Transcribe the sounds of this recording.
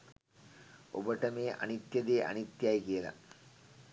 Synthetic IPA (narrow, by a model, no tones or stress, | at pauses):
ʔo̰bɐʈɐmeːʔɐ̰nit̪jɐd̪eːʔɐ̰nit̪ːjajkijɐlɐ̰